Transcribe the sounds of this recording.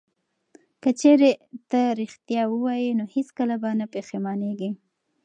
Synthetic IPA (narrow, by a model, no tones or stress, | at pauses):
kət͡ʃeɾet̪əɾixt̪jɑwəwɑjinoheskəlabanapexemɑneɡi